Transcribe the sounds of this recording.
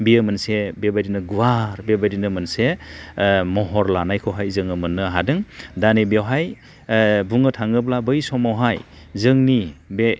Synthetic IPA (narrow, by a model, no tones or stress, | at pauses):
biɯmɯnsebebajdinɯɡuwaɾbebajdinɯmɯnse | mɔɦɔɾlanajkʰɯwɦajzɯŋɯmɯnːɯɦadɯŋdanibawɦaj | buŋɯtʰaŋɯblabɯjsɔmawɦaj | zɯŋnibe